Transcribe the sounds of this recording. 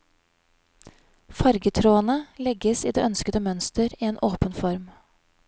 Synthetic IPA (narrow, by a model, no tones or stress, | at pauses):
fɑɾɡət̪ʰɾoːənəlɛɡəsiːd̪ḛːʔœnskəd̪əmœnst̪əɾiːeːnʔoːpənfɔɾm